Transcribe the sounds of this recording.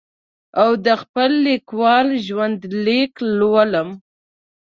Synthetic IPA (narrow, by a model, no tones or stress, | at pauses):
awd̪əxpəlːikwɑlʒwand̪leklwaləm